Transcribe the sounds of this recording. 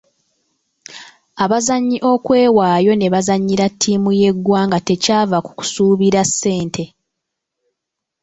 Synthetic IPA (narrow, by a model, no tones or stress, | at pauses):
aβazaɲːiʔo̞kwe̞ːwaːjo̞ne̞βazaɲːiɾatʰːiːmuje̞ɡwaːŋɡate̞caːvaku̥ku̥suːβiɾasːe̞ːntʰe̞